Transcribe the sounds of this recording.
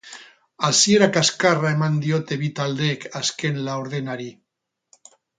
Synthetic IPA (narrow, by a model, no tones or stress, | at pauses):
asieɾakaskarae̞mand̪io̞t̪e̞βit̪ald̪ekaske̞nlaoɾð̞enaɾi